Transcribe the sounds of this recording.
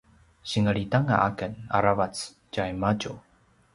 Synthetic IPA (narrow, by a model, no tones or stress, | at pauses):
ɕiŋəɭitaŋa̰ʔakəna̰ɾavat͡s | cajmaɟu